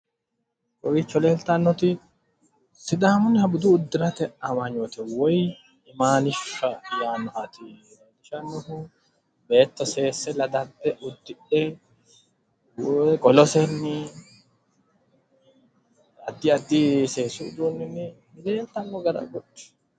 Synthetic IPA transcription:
kɔwɪt͡ʃːɔle̞ːlt̪ɐnːɔt̪ɪ | sɪd̪aːmʊnːɪhɐbʊd̪uːd̪ːɪɾɐt̪ɛʔɐmaɲoːt̪ɛwɔj | ɪmaːnɪʃːɐjaːnɔʔɐt̪ɪ | d̪ɪʃɐnːɔhʊ | be̞ːt̪ːɔse̞ːsːɛlɐd̪ɐd̪ːɛʔʊd̪ːɪᶑɛ | wkʼɔlɔsɛnːɪ | ɐd̪ːɪɐd̪ːiseːsuʊd̪uːnːɪnɪ | nɪle̞ːlt̪ɐnːɔɡɐɾɐ̰ɡɔᶑɛ̥

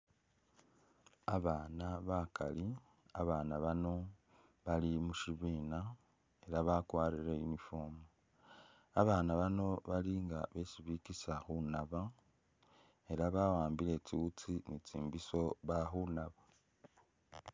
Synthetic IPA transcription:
aβaːnaβakʰa̰li | aβaːnaβano̞ | βalimuʃiβiːna | e̞ɾaβakwaːɾiɾeinifo̞mu | aβaːnaβano̞βaliŋɡaβe̞siβikisaxunaβa | e̞ɾaβawaːmbiɾe̞t͡siut͡sinit͡siːmbiso̞βaxunaβa

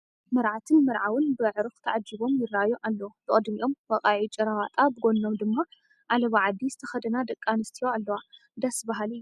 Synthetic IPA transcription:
mɐɾʕat̪ʰɨnmɨɾʕawɨnbɨʕɨɾɨxt̪ʰɐʕad͡ʒːɨbo̞mjɪrːajoʔalːɐwb̥ɨkʼɨd̪miʔo̞mwɐqʼaʕit͡ʃʼɐɾawat̪ʼabɨɡo̞nːo̞md̪ɨmːa | ʔalɐβaʕad̪ːizɨt̪ʰɐxɐd̪ɐnad̪ɐkʼːanɨst̪ʰijoalːɐwa | d̪asbaɦalɨjːu

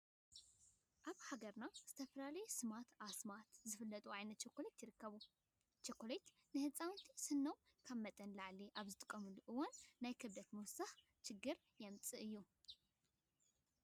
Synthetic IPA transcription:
ʔaβhaɡɐɾnaz̥ɨt̪ʰɐfɐlalɐjsɨmat̪ʰasɨmat̪zɨfɨlːət̪ʼuajnət̪̚t͡ʃʰekːolet̪jɪɾɨkːəβu | t͡ʃʰekʰːolet̪ | nɨhɨsʼannt̪ʰisɨnːow | kʰaβmət̪ʼɐnlaʕliʔaβzɨt̪ʼɨ̥kʼːɐmulɨʔɨwonːajkʰɨβd̪ɐt̪muwsah | t͡ʃʰɪɡːɨɾ | jɛmt͡sʼɨɨjːu

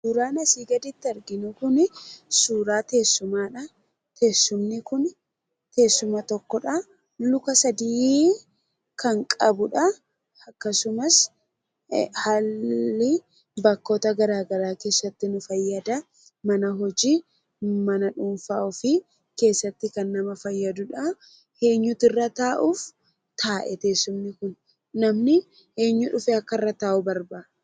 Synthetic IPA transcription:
uːɾaːnɐsiːɡɐd̪ɪt̪ːɪɐɾɡɪnʊkʊnɪsuːɾaːt̪e̞ːsːʊmaːᶑɐ | t̪e̞ːsːʊmnɪkʊn | t̪e̞ːsːʊmɐt̪ɔkːɔᶑɐ | lʊkɐsɐd̪iː | kɐŋkʼɐbʊᶑɐ | ɐkːɐsʊmɐs | haːlːɪ | bɐkːo̞ːt̪ɐɡɐɾaːɡɐɾaːke̞ːsːɐt̪ːɪnʊfɐjːɐd̪ɐ | mɐnɐɦɔd͡ʒiː | mɐnɐᶑʊnfaːʔʊfɪ | ke̞ːsːɐt̪ːɪkɐnːɐmɐfɐjːɐd̪ʊᶑɐ | heːɲːʊt̪ɪrːɐt̪aːʔuːf | t̪ʰaːʔɛt̪e̞ːsːʊmnɪkʊnː | ɐmnɪ | he̞ːɲːʊᶑʊfɛɐkːɐɪrːɐt̪aːʔʊbɐɾbaː

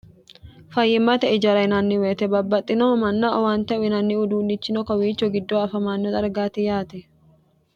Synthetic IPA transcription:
fɐjːɪmːɐt̪ɛɪd͡ʒɐɾɐɪnɐnːɪweːt̪ɛbɐbːɐt̪ʼːɪnomɐnːaʔɔwaːnt̪ɐwɪnɐnːɪʊd̪uːnːɪt͡ʃːɪnɔkɐwiːt͡ʃːɔɡɪd̪ːoːɐfɐmaːnːɔt̪ʼɐɾɡaːt̪ɪjaːt̪ɛ

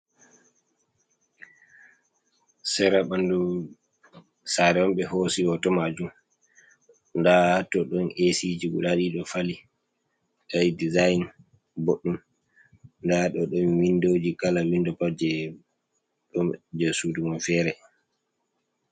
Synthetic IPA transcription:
sɛɾaɓandu | saɾɛwɔmɓɛhosiɔtɔmad͡ʒum | ndahatɔɗɔnʔesid͡ʒiɡuɗaɗiɗɔfali | ɗadizajn | boɗːum | ndaɗɔɗɔnwindoːd͡ʒikalawindɔpad͡ʒɛ | ɗɔd͡ʒɛsudumɔnfɛːɾɛ

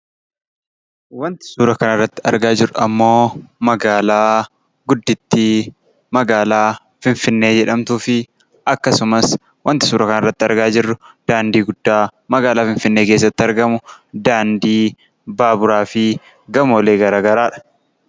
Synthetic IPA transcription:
wɐnt̪ɪ̥suːɾɐkɐnɐrːɐt̪ːɪ̥ɐ̰ɾɡaːd͡ʒɪrʊɐmːo̞ːmɐɡaːlaː | ɡʊd̪ːɪt̪ːɪ | mɐɡaːlaː | fɪnfɪnːe̞ːd͡ʒɛᶑɐmt̪uːfɪ | ʔɐkːɐsʊmɐs | wɐnt̪ɪ̥suːɾɐkɐnɐrːɐt̪ːɪɐɾɡaːd͡ʒɪrːʊd̪̥aːnd̪iːɡʊd̪ːaːmɐɡaːlaːfɪnfɪnːe̞ːkeːs̬ːɐt̪ːɪɐɾɡɐmʊd̪aːnd̪iː | baːbʊɾaːfɪ | ɡɐmoːleːɡɐɾaːɡɐɾaːᶑɐ̥

